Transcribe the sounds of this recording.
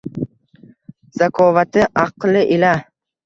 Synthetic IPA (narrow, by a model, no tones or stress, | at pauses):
zakʰɒvat̪ʰɪʔɑqlɪʔɪla